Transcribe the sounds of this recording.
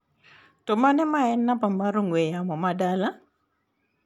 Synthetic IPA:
tɔmanɛmaɛnːapamaɾoŋwɛjamɔmadala

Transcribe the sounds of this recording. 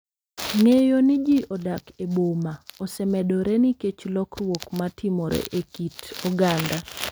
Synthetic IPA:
ŋejonɪd͡ʒiʔɔdakebomaɔsɛmɛdoɾɛniket͡ʃlɔkrwokmatɪmɔɾḛʔekitɔɡanda

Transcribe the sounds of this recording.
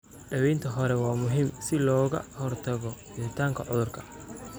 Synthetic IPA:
ɖɐβɛjnt̪ʰɐɦɔɾɛwɑːmʊɦiːmsɪlɔːɣɐ̰hɔrt̪ʰɐɣɔbɪɾɪt̪ʰaːŋkʰɐʕʊðʊrkʰɐ

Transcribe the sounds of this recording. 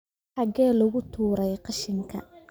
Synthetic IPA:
ħɑɡɛːlɐɣʊt̪ʰuːɾɛjqɑʃɪŋkʰɐ̰

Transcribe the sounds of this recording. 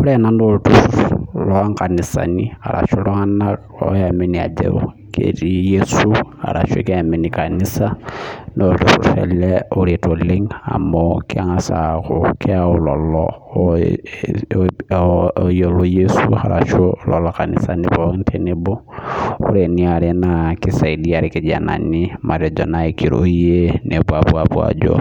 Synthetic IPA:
uɾenanoltuulɔaŋkanisa̰nia̰ɾʔa̰ʃoloana | o̰jamenia̰d͡ʒḛo̰ | kḛtijesuha̰ɾaʃo̰keaminikanisanoltuɾṵɾɛ̰lɛoɾitoleŋa̰mokʰiaŋasakokʰɛaulɔlɔ | jolojesuha̰ɾaʃolɔlɔkanḭsanibɔŋntʰeneboṵɾeniaɾenakisaidiaɾikid͡ʒana̰nimʔaɾɛd͡ʒɔnaikiɾoenʔebuabuabwa̰d͡ʒo̰

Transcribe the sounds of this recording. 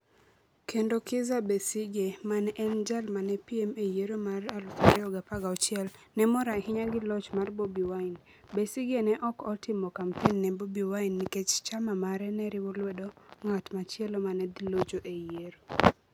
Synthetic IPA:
kʰendokɪzabesɪɡemanʔɛnd͡ʒalmanɛpiemejeɾomaralkaɾɛɔɡapaɡaɔt͡ʃɪɛlnɛmɔɾahɪɲaɡɪlɔt͡ʃmarbobiwaɪn | besiɡenɛʔɔkɔtɪmɔkampenːɛbobiwainːiket͡ʃt͡ʃamamaɾɛnɛɾɪwɔlwedoŋatmat͡ʃɪɛlomanɛdilod͡ʒoʔejeɾo

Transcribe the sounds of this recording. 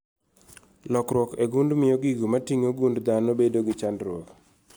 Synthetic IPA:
lɔkɾwɔkeɡundmɪjoɡiɡumatiŋoɡundd̪anobedoɡɪt͡ʃandɾwok

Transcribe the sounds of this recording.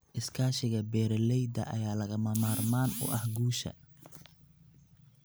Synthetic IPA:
ʔɪskʰaːʃɪɣɐbɛːɾɛlɛjd̪ɐ̰ʔɐjaːlɐɣɐmɐmaːrmaːnʊ̰ʔɐhɡuːʃɐ̰

